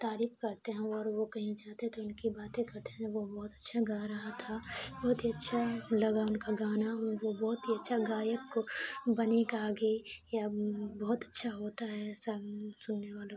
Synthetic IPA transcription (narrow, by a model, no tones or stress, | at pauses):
t̪aːɾiːfkɐɾt̪eɦɛ̃ɔːɾʋokɐɦĩd͡ʒaːt̪eɦɛ̃t̪oʊnkibaːt̪ẽkɐɾt̪eɦɛ̃oʋobɔɦt̪ɐ̥tːʃʰaɡaɾɐɦat̪ʰabɔːʊt̪ɦiɐtːʃʰalɐɡaʊnkaɡaːnaʋobɔːʊt̪ɦiɐtːʃʰaɡaːjəkbɐnekaːɡejabɔːʊt̪ɐtːʃʰaɦoːt̪aɦɛːsasʊnːeʋaːlo